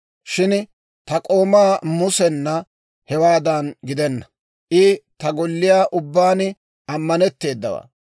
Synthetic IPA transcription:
ʃɪn | t̪ɐkʼo̞ːmaːmʊsɛnːɐ | hɛwaːd̪ɐnɡɪd̪ɛnːɐ | ʔɪt̪ɐɡɔlːɪjaːʔʊbːaːnɪ | ɐmːɐnɛt̪ːe̞ːd̪ːɐwa̰ː

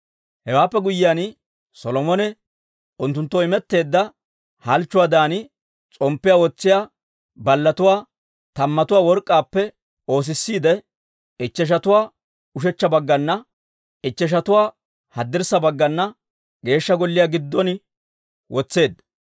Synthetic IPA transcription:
hɛwaːpːɛɡʊjːɪjan | sɔlɔmɔnɛ | ʊnt̪ːʊnt̪ːɔɪmɛt̪ːe̞ːd̪ːɐ | hɐlt͡ʃːʊwaːd̪aːn | t͡sʼɔmpːɪjawɔt͡sːɪjaː | bɐlːɐt̪ʊwaː | t̪ɐmːɐt̪ʊwaːwɔɾkʼːaːpːɛ | o̞ːs̬ɪsːiːd̪ɛ | ɪt͡ʃːɛʃ̬ɐt̪ʊwaː | ʊʃɛt͡ʃːɐbɐɡːɐnːɐ | ɪt͡ʃːɛʃ̬ɐt̪ʊwaː | hɐd̪ːɪɾsɐbɐɡːɐnːɐ | ɡe̞ːʃːɐɡɔlːɪjaːɡɪd̪ːɔn | wʔɔt͡sːe̞ːd̪ːɐ

